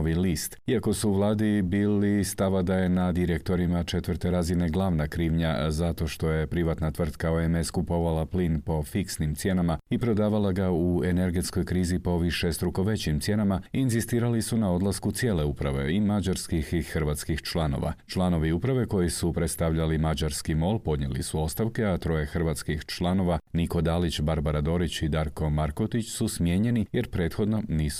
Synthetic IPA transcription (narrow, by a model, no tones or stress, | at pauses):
oʋilist̪iako̞suːʋlˠaːd̪ibiːlist̪aʋad̪aje̞nad̪iɾekt̪o̞ɾimat͡ʃe̞t̪ʋərɾt̪e̞ɾazine̞ɡlˠaːʋnakɾiːʋɲa̰zat̪o̞ʃt̪o̞je̞pɾiʋat̪nat̪ʋr̩d̪kaoeme̞skupo̞ʋalaplinpo̞fiksnimt̪sje̞namaipɾo̞d̪aːʋalaɡaue̞ne̞ɾɡe̞t̪sko̞jkɾiːzipo̞ʋiʃe̞st̪ɾuko̞ʋe̞t͡ɕimt̪sje̞namaiːnzist̪iːɾalisunao̞d̪lˠaskut̪sje̞ːle̞upɾaʋe̞̰imad͡ʒaɾskixixrʋat̪skixt͡ʃlˠano̞̰ʋa̰t͡ʃlˠano̞ʋiupɾaʋe̞ko̞jisupɾe̞t̪st̪aʋʎalimad͡ʒaɾskimo̞ːlpo̞d̪ɲḛlḭsuo̞st̪aʋke̞at̪ɾo̞je̞xr̩ʋat̪skixt͡ʃlˠano̞ʋaniko̞d̪aːlit͡ɕbaɾbaɾad̪o̞ɾit͡ɕid̪aɾko̞maɾkot̪it͡ɕsusmje̞ːɲe̞nije̞ɾpɾe̞ːt̪xo̞d̪no̞niːs